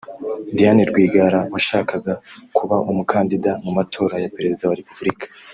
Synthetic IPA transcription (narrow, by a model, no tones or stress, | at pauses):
dijaniɾɡwiːɡaɾawaʃaːkaɡakuβaʔumukʰaːndidamumatʰo̞ːɾajape̞ɾe̞zidawaɾepubuɾikʰḁ